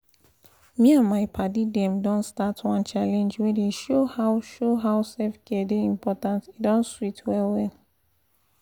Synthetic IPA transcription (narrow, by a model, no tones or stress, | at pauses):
mĩãnmaɪpʰadidɛ̃mdɔ̃nstatʰwɔ̃nt͡ʃalɛ̃nd͡ʒwedeʃohaʊʃoɦaʊsɛfɡ̥ɛdeĩmpʰɔtãntidɔ̃nswitʰwɛlwɛl